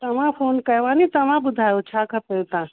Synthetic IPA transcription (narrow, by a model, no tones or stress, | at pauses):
t̪ɐmãpʰoːnkɐjʋãnit̪ɐmãbʊd̪ʱaːjot͡ʃʰakʰɐpelt̪ã